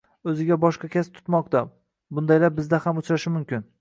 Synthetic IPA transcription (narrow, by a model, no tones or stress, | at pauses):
ɵzɪɡʲabɒʃqɑkʲʰast̪ʰʊ̥t̪mɒqt̪a | bʊnd̪ajlaɾ̚bɪzd̪ahamʊt͡ʃɾaʃɪmʊmkʲɪn